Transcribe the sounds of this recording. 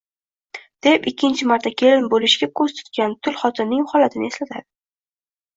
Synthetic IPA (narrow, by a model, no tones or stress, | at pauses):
d̪̥e̞pɪkʲʰːɪnt͡ʃʰɪmaɾt̪ʰakʲʰe̞lɪnbolɪʃɡʲakʰoz̥t̪ʰʊ̥t̪kʲant̪ʰʊlχɒt̪ʰɪnːɪŋχɒlat̪ʰɪnɪe̞slat̪ʰa̰d̪ɪ